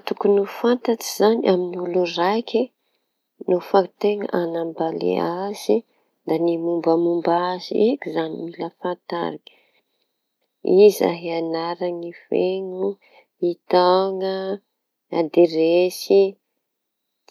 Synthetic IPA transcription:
t̪ukunufant̪aʈ͡ʂi̥zaniʔaminulurajkʰʲi | nufat̪eŋə̰ʔanambalḛaz̥i | d̪animumbəmumbazḭekizanimiləfant̪a̰ɾikə | iza̰ɦeanaɾaŋifeŋu | it̪aŋə | ad̪iɾesi

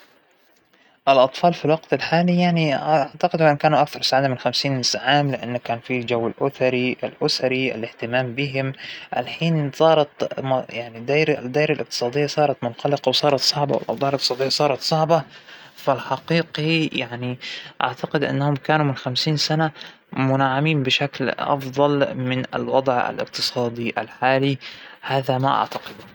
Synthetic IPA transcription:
ʔɪlʔɑt̪ˤfɑːlfilwɑqt̪alħaːlijaʕniʔaʕt̪aqɪd̪wɪnkaːnuʔakθɑɾˤsaʕaːd̪amɪnxamsiːnːɪsʕaːmlɪʔanːakaːnfild͡ʒawːɪlʔʊθɑɾiʔa̰lʔʊsaɾiʔɪ̰lɪht̪ɪmaːmbɪɦɪmʔa̰lħiːnsˤɑːɾˤɑt̪mjaʕnid̪aːɾd̪ːaːɾalʔɪqt̪ɨ̥sˤɑːd̪ɪjːasˤɑːɾˤɑt̪mʊnxɑlɪqɑwsˤɑːɾˤɑt̪sˤɑʕbɑwɪ̰lʔɑ̰wd̪ˤɑːɪlʔɪqt̪sˤɑːd̪ɪjːasˤɑːɾˤɑt̪sˤɑʕbɑfalħɑqiːqijaʕniʔa̰ʕt̪aqɪd̪ʔɪ̰nːahʊmkaːnumɪnxamsiːnsana | mʊnaʕːamiːnbɪʃaklʔɑ̰fðˤɑlmɪna̰lwɑd̪ˤʕa̰lʔɪ̰q̚t̪ɨ̥sˤɑːd̪ˤiʔa̰lħaːlihaːðamaʔa̰ʕt̪ḁqɪd̪u

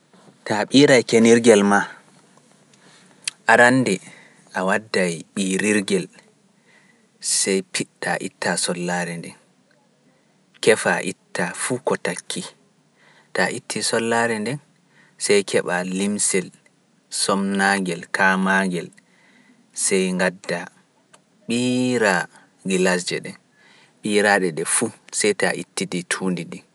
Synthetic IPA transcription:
taɓiːɾajkeniɾɡɛlma | ʔaɾanːdɛ | ʔawadːajɓiːɾiɾɡɛl | sɛjpitaʔḭtːasɔlːaːɾɛndɛn | kɛfaʔitːafukɔtakʰːi | taʔitʰːisɔlːaɾɛndɛn | sɛjkʰɛɓalimsɛl | sɔmnaŋɡɛlkʰamaŋɡɛl | sɛjŋɡadːa | ɓiːɾa | ɡilas̬d͡ʒɛɗɛ | ɓiːɾaɗɛɗɛfusɛjtaʔḭtːiditʰuːndidi

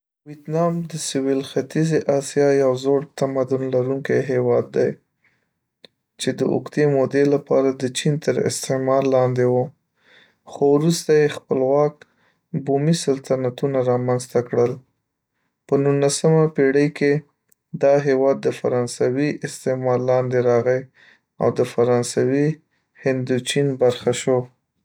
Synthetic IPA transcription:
wiet̪nɑmd̪əsɪwilxat̪izeʔɑsijɑjawzoɽt̪amad̪ʊnlaɾuŋkajɦewɑd̪ːaj | t͡ʃed̪əʔʊ̰kt̪emod̪elapɑɾad̪ət͡ʃint̪əɾɪ̰st̪emɑlːɑnd̪ewo | xowɾust̪ajexpəlwɑk̚ | bumisalt̪anat̪unaɾɑmanzt̪akɽəl | pənunasəmapeɽəjke | d̪ɑɦewɑd̪ːəfa̰ɾɑnsawiʔɪst̪emɑlːɑnd̪eɾɑɣəj | a̰wd̪əfaɾɑnsawi | hɪnd̪ut͡ʃinbaɾxaʃo

